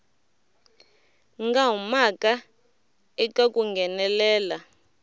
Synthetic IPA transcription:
ŋɡaɦumakʼa | ikʼakʼuŋɡʱɛnɛlɛːla

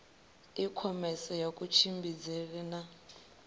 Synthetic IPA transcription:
ikʰɔmɛsɔjakʼut͡ʃʰimbid͡zɛrina

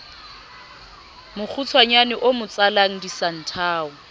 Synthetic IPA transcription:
mʊk͡xʰut͡sʰwaɲanɪʔomʊt͡salaŋ̩disan̩tʰaːʊ

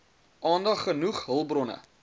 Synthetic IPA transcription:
ʔɑːndɐχːənuχɦəlˠbrɔnə̰

